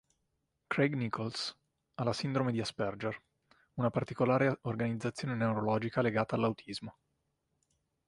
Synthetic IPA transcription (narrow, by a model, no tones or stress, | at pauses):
kɾeɡnikʰols | alasind̪ɾomed̪iaspɛrd͡ʒer | unapart̪ikolaːɾeorɡanid̪zːat̪sːjoːnenewɾolɔːd͡ʒikaleɡaːt̪alːawt̪ʰizmo